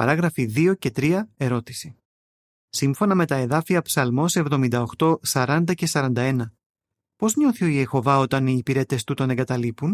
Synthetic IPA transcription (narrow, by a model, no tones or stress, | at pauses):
pɐɾɐɣɾɐfiðio̞ce̞t̪ɾiɐe̞ɾo̞t̪i̥si̥ | simfo̞nɐme̞t̪ɐe̞ðɐfiɐpsɐlmo̞se̞vðo̞mind̪ɐo̞xt̪o̞sɐɾɐnd̪ɐce̞sɐɾɐnd̪ɐe̞nɐ | po̞zɲo̞θio̞ije̞xo̞vɐo̞t̪ɐniːpiɾe̞t̪e̞st̪ut̪o̞ne̞ŋɡɐt̪ɐlipun